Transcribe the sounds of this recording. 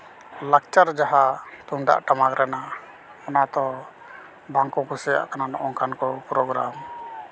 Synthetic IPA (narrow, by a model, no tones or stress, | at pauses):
lak̚t͡ʃaɾd͡ʒaɦat̪uɳɖa̰ʔʈamakɾɛna | ɔnat̪ɔ | baŋkɔkusɛja̰ʔkananɔʔɔŋkankɔpɾɔɡɾam